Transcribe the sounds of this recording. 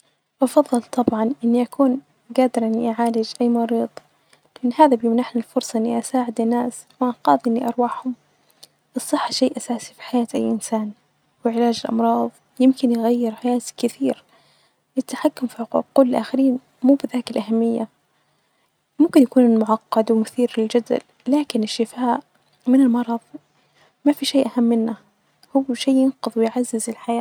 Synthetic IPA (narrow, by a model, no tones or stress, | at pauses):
ʔɑfɑðˤːɑlt̪ʰˤɑbʕɑnʔɪnːiʔakuːn | ɡaːd̪ɪɾʔaniʔʕaːlɪd͡ʒʔajːmɑɾiːd̪ˤ | lɪʔanːhaːðabjɪmnaħnilfʊɾsˤɑʔɪnːiʔasaːʕɪd̪ɪnːaːs | wʔanqɑːðˤʔɪnːiʔɑɾˤwaːħhʊm | ʔɨsˤːɨħːaʃajːʔasaːsi̥fi̥ħajaːt̪ʔajːʔɪnsaːn | wɪʕɪlaːd͡ʒɪlʔɑ̰mɾˤɑːðˤ | jɪmkɪnjɪɣajːɪɾħajaːt̪kɪθiːɾ | ɪt̪ːaħakːʊmfiħʊqṵːkʊlːʔa̰ːxɪɾiːn | muːbɪðaːkɪlʔaɦamːɪjːa | mʊmkɪnjakuːnmʊʕɑqːɑd̪wɪmʊθiːɾlɪld͡ʒad̪a̰l | laːkɪnɪʃːɪfaːʔ | mɪnɪlmɑɾˤɑðˤ | mafiʃeːʔahamːɪnːa | hʊwːʃeːjɪnqʊðˤwɪjʕazːɪzɪlħajaː